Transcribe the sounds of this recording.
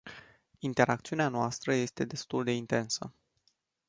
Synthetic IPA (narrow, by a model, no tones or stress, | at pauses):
int̪e̞ɾakt̪siuneanoast̪ɾəje̞st̪e̞d̪e̞st̪uld̪e̞int̪e̞nsə̰